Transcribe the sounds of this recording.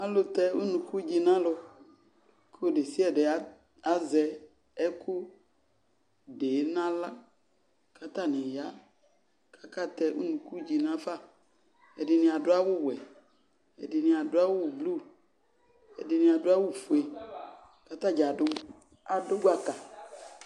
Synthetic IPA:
a˦lo˨t̪ɛ˦u˦nũ˨ku˦d͡ʒi˦nã˦lɔ˧ | ko˦o˦ɖe˨si˦ɛ˨de˨a˨˦ | a˦zɛ˨ | ɛ˦kʰu˦ | ɖe˨˦nã˦la˦ | ka˦t̪a˦˨nẽ˨ja˦ | kʰa˦ka˦t̪ɛ˦ṵ˦nũ˨ku˦d͡ʑi˨nã˦fa˦˨ | ɛ˨de˨nĩ˨a˨do˦a˦wʊ˦wɛ˨ | ɛ̰˨de˨nĩ˨a˨do˦a˦wʊ˦wu˨blu˦ | ɛ̰˨de˨nĩ˨a˨do˦a˦wu˦fu˨e˨ | ka˦t̪a˦d͡ʒa˨dʊ˦ | a˨do˦ɡa˦ka˨

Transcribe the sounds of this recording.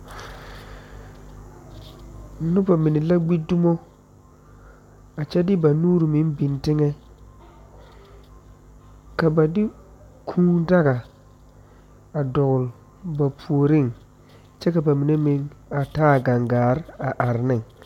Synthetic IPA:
nʊ˦ba˨mi˨ni˨la˦ɡ͡bi˦du˦mo˦ | a˨t͡ʃɛ˦dɪ˦ba˨nuː˦ɾmi˨˦nbi˨ntɪ˦ŋɛ˦ | ka˨ba˨dɪ˦ | kʰũː˦da˦ɡa˨ | a˨dɔ˨ɣʊ˨l | ba˨pʰu˨o˨ɾɪ˦˨ŋ | t͡ʃɛ˦ka˨ba˨mi˨ne˦mɪ˨ŋa˨taː˦˨ɡa˨ŋɡaː˨ɾa˨ʔa˨ɾnɪ˦ŋ

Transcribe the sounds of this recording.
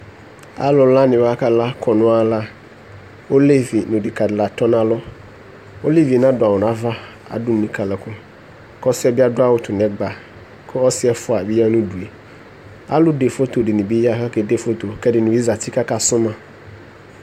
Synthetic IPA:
a̰˦lɔ˨la˦nɪ̃˨ba˦ka˦˨da˦kʰɔ˨nʊ̃˦a˨la˦ | o˦le˦vi˨nʊ̃˨dɪ˨ka˨dɪ˨la˨t̪ɔ˦nã˨lɔ˦ | o˦li˦vi˨nã˦dʊ˨a˨wʊ˨n˨a˦va˦ | a̰˨dʊ˦˨nĩ˨ka˨lɛ˨kʊ˦ | kɔ˦sɪ˦ɛ˨bi˦a˦dʊ˦a˦wʊ˦t̪ʰʊ˨nɛ̃˨ɡ͡ba˨ | kʰʊ˦ɔ˦sɪ˦ɛ˦fʊ˦a˨bi˦ja˦nʊ̃˦du˨e˨ | a̰˦lʊ˦de˨fo˦t̪o˨dɪ˨nɪ̃˨bi˦ja˦ɦa˦kɛ˨de˦fo˦t̪o˨kɛ˦dɪ˨nʊ̃˨bi˦za˨t̪i˦ka˦ka˨sʊ̃˦mã˨

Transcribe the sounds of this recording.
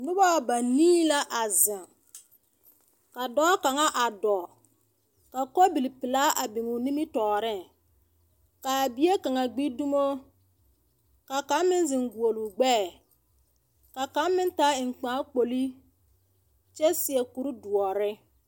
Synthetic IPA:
nʊ˦ba˦wba˨niː˦la˦ʔa˨zɪ˨ŋ | ka˨dɔː˦ka˨ŋa˦ʔa˨dɔ˨ | ka˨kɔ˦bi˨li˨pɪ˨la˦ʔa˨bɪ˨ŋu˨ni˦mɪ˦tɔː˨ɾɪ˦ŋ | ka˨bi˦e˦ka˨ŋa˨ɡ͡bi˦du˦mo˦ | ka˨ka˨˦mmɪ˦nzɪ˨ŋɡu˨o˨lu˨ɡ͡bɛː˦˨ | ka˨ka˨˦mmɪ˦nta˨˦ɪ˨ŋ̩˨k͡paː˨˦k͡po˨li˦ | t͡ʃɛ˦sɪ˨ɛ˨ku˨˦ɾi˦du˨ɔ˨ɾɪ˦

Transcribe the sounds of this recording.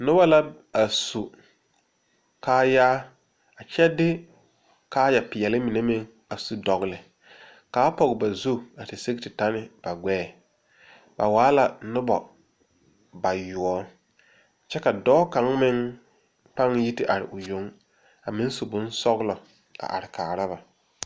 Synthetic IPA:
nʊ˦ba˦la˦ | a˨su˨ | kaː˦jaː˦ | a˨t͡ʃɛ˦dɪ˦ | kaː˦ja˨pɪ˨ɛ˨lɪ˦mɪ˨ne˦mɪ˦ŋ | a˨su˨dɔ˨ɣlɪ˨ | kaː˨˦pɔ˨ɣɪ˨ba˨zu˦a˨tɪ˨se˦ɡtɪ˨ta˦nɪ˦b̥a˨ɡɛː˦˨ | ba̰˨waː˨˦la˨nʊ˦bɔ˨ | ba˨jʊ˨ɔ˦ | t͡ʃɛ˦ka˨dɔː˦ka˨˦ŋmɪ˦ŋ | pa˦ŋji˦tɪ˦ʔa˨ɾɪ̰˨ʔʊ˨jo˨˦ŋ | a˨mɪ˦ŋ˦su˨bʊ˦nsɔ˦ɣlɔ˨ | a̰˨ʔa̰˨ɾɪ˨kaː˨ɾa˦ba˨

